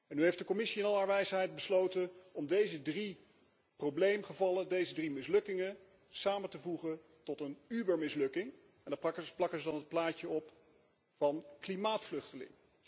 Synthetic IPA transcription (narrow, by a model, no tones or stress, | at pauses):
ɛnːyɦejftdəkomɪsiɪnɑlˠɦaːɹʋɛjsɦɛjt̚bəslowtənɔmdejzədri | prowblejmχəvɑlədejzədrimɪslɵkɪŋə | saːmətəvuχən | tɔtənybəɹmɪslɵkɪŋ | ɛndaːpɑkəplɑkəzədɑnɦət̚plaːcəɔp | vɑnklimaːtflɵχtəlɪ̰ŋ